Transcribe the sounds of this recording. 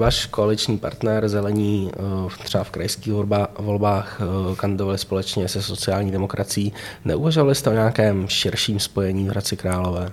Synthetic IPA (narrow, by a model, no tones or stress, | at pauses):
vaːʃkoalɪt͡ʃɲiːpa̰ɾt̪nɛɾzɛlɛɲiːt̪r̥ɛbafkɾajskiːɣvolbaːxkand̪ɪdo̞valɪspo̞lɛt͡ʃɲɛsɛso̞t͡sɪaːlɲiːdɛmo̞kɾʔat͡sɪjːnɛ̰ʔuvaʒovalɪst̪ɛoɲɛakɛːmʃɪɾʃiːmspo̞jɛɲiːvɦɾat͡sɪkɾaːlo̞vɛː